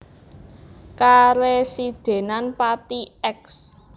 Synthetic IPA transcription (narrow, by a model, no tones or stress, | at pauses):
kaɾesid̪̥e̤nanpat̪iɛks